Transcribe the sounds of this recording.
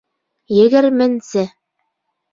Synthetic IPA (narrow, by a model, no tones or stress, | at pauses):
jɘ̆ɡɘɾmɘ̆nsɘ